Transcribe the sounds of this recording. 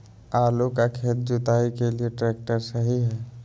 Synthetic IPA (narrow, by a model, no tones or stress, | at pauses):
aːlokakʰeːt̪̚d͡ʒʊt̪aːikelieʈɾɛːk̚ʈəɾsəɦiɦɛː